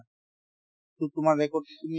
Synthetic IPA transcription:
t̪ut̪umadɛkoɾt̪et̪umi

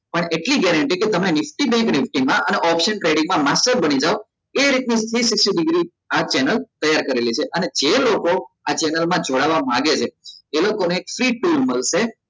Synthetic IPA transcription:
pəɳeʈliɡɛɾəɳʈiket̪əmenɪfʈibeknɪfʈimãʔəneʔɔpʃəɳʈɾeɖĩŋmãmasʈəɾbənid͡ʒao | eɾit̪nist̪ʰɾisikʃiɖɪɡɾi | at͡ʃɛnəlt̪əjaɾkəɾelit͡ʃʰeʔəned͡ʒelokoat͡ʃɛnəlmãd͡ʒoɽaʋamaɡet͡ʃʰeːlokoneːkfɾiʈuɾməlʃe

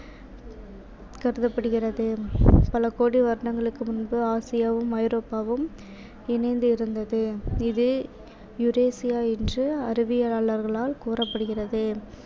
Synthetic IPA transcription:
kɐɾɯðɐpːɐɽɯɣɪrɐðɯpɐlɐkoːɽiʋɐɾɳɐŋɡɐɭɯkːɯmʊnbɯaːsɪjaːʋɯmɐɪɾoːpːaːʋɯm | ɪnɐɪnd̪ɯɪɾɯnd̪ɐðɯɪðɯ | jʊɾeːsɪjaːɛndrɯɐɾɯʋɪjɐaːɭɐɾɣɐɭaːlkuːrɐpːɐɽɯɣɪrɐðɯ

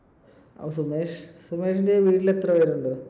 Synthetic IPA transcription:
ɐ̰ʋɐsumeːʂsumeːʂ̬inde̞ʋiːʈːilet̪rɐʋɐɾuɳɖɨ

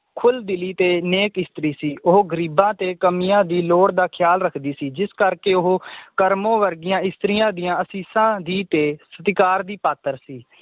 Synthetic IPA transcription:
kʰʊld̪ɪliːt̪eːneːkɪst̪ɾiːsiːʔʊɦoːɡəɾiːbãːt̪eːkəmijãːd̪iːloːɽd̪aːkʰɪjaːlɾəkʰd̪iːsiːd͡ʒɪskəɾkeːʊɦoːkəɾmõːʋəɾɡɪjãːɪst̪ɾɪjãːd̪ɪjãːəsiːsãːd̪iːt̪eːsət̪ɪkaːɾd̪iːpaːt̪ːəɾsiː

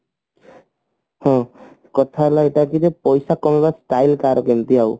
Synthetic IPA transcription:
hɔ̃ | kɔt̪ʰalaeʈakid͡ʒɛpɔjsakɔmebasʈajlkaɾɔkent̪iaw

